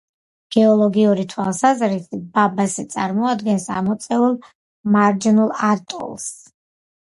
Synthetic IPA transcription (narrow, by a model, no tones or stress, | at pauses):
ɡ̥ɛɔlˠɔɡiuɾit̪ʰwalˠsazɾisibabazɛt̪sʼaɾmɔad̪ɡɛnsa̰mɔt̪sʼɛulˠ | maɾd͡ʒinulˠaɾt̪ʼɔ̰lˠs